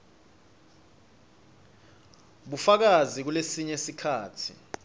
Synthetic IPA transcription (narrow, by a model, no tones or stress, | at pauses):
ɓufak̬azik̬ulesiɲesikʰaːtʰḭ